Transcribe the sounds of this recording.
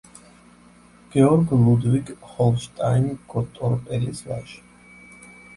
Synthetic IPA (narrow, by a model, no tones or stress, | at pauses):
ɡ̥ɛɔɾɡlˠud̪viɡχɔlˠʃt̪ʼajnkʰʼɔt̪ʼɔɾpʼɛɾisva̰ʃ